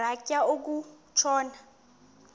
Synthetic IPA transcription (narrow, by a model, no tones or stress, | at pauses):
akʼjaok̬u | t͡ʃʰɔːna